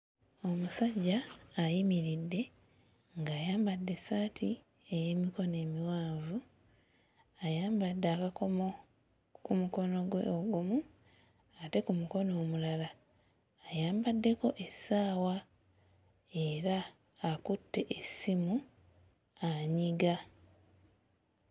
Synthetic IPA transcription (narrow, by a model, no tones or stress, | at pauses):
o̞musaɟːaːjimiɾidːe̞ | ŋɡaːjaːmbadːe̞saːtʰi | eje̞ːmiko̞ne̞ːmiwaːɱvu | ajaːmbadːaːkako̞mo | kumuko̞no̞ɡwe̞̰oɡumu | ate̞kumuko̞no̞ːmulalaː | jaːmbadːe̞ko̞ʔe̞saːwa | e̞ɾaː | kutːe̞ʔesimu | aɲiɡa